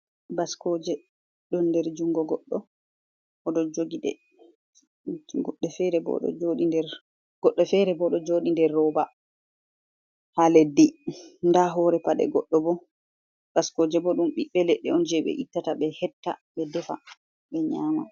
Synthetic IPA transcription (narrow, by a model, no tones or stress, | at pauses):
baskɔd͡ʒɛ | ɗɔnːdɛɾd͡ʒuŋɡɔɡɔɗːɔ | ʔɔdɔd͡ʒoɡiɗɛ̰ | ɡɔɗːɛfɛɾɛbɔ̰ɗɔ̰d͡ʒoɗindɛɾ | ɡ̥ɔɗːɔfɛɾɛbɔɗɔd͡ʒoːɗindɛrːɔba | haledːindaɦɔɾɛpaɗɛ̰ɡɔɗːɔbɔ | b̥askɔd͡ʒɛbɔɗumɓiɓːɛlɛɗːɛɔnd͡ʒɛɓɛ̰ʔitːataɓɛhɛtːaɓɛdɛfa̰ | ɓɛɲaːma